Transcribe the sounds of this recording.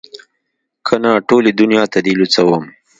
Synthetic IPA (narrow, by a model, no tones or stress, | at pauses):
kʰənɑʈoled̪ʊnjɑːt̪ad̪ilut͡sawəm